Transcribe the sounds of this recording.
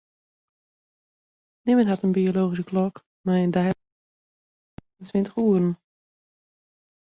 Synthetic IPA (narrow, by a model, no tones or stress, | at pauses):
nɪmənɦatənbioloːxis̬əklɔk | majəndɛj | ətʋɪntə̥χuəɾn̩